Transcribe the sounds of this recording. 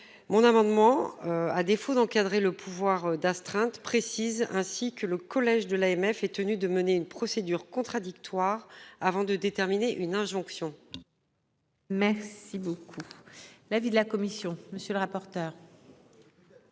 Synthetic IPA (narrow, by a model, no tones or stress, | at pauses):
mɔ̃namɑ̃d̪mɑ̃ad̪efod̪ɑ̃kad̪ʁeləpʰuvwaʁd̪ast̪χɛ̃t̪pχesizɛ̃sikələkɔlɛʒd̪əlaɛmɛfɛt̪ənyd̪əməneynpχɔsed̪yʁkɔ̃t̪χad̪ik̚t̪waʁavɑ̃d̪əd̪et̪ɛʁmineʔynɛ̃ʒɔ̃ksjɔ̃ | mɛʁsibokʰulavid̪əlakɔmisjɔ̃məsjøləʁapɔʁt̪œːʁ